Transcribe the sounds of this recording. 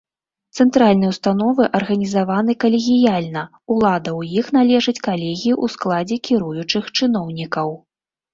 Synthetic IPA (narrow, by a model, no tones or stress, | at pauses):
t̪sɛnt̪ɾalʲnɨjɛwst̪anɔvɨʔɐrɣɐnʲizavanɨkɐlʲeɣʲijalʲnɐ | ulˠad̪ɐwjixnalʲɛʐɨt͡sʲkalʲɛɣʲijiʔusklˠad͡zʲɛkʲiɾujut͡ʂɨxt͡ʂɨn̪ɔwnʲikɐw